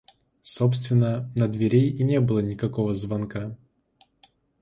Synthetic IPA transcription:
sopst̪vʲɪnːənəd̪vʲɪɾʲejinʲebɨlˠənʲɪkɐko̞vəzvɐnka

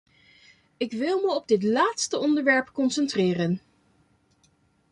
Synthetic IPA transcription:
ɪkʋɪlˠməɔb̚dɪtlaːtstəɔndəɹʋɛɹpkɔnsɛntrɪːrən

